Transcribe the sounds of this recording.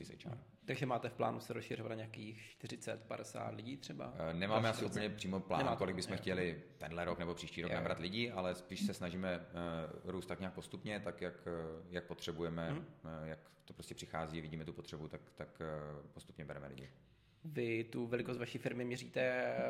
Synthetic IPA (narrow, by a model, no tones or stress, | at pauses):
sɪsɛ̰jt͡ʃa̰n | t̪aɡʒɛmaːt̪ɛfpla̰ːnusɛɾosʃɪrɪbanaɲeaːkiːxʃt̪ɪrɪt͡sɛt̪padɛsa̰ːt̪lɪɟiːt̪r̥ɛba̰nɛmaːmɛasɪupəɲɛpr̝̥iːmopla̰ːnkolɪɡ̚bɪsmɛxcɛlɪt̪ɛndlɛɾoknɛbo̞pr̥iːʃciːɾoknabɾat̪lɪɟialɛspiːʃsɛsnaʒiːmɛ | ɾuːst̪akɲaːk̚po̞st̪upɲɛt̪akjakjak̚pot̪r̝̥ɛbujɛmɛjak | t̪opɾoscɛpr̥ɪxaːziːavɪɟiːmɛt̪upo̞t̪r̥ɛbut̪akt̪akpost̪u̥pɲɛbɛɾɛmɛ̰lɪ̰ɟɪ̰ | vɪt̪uvɛlɪkost̪vaʃiːfɪɾmɪmɲɛriːt̪ɛ